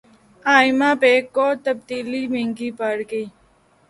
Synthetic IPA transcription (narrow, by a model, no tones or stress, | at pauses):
aːɪmaːpeːkːoːt̪əb̚d̪iːliːmẽŋɡiːpəɽɡi